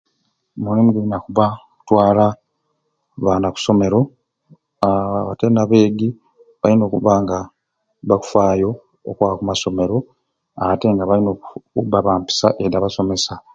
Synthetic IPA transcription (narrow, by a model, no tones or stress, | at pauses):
mulimuɡuinakuβaku̥twaːla | βaːnaku̥so̞me̞ɾo̞ | aβaβatenaβe̞ːɡi | βaino̞ːkuβaŋɡa | βaku̥faːjo̞ | o̰kwakumaso̞me̞ɾo̞ | ate̞ŋɡaβainoubaβaːmpi̥saʔedaβaso̞me̞sa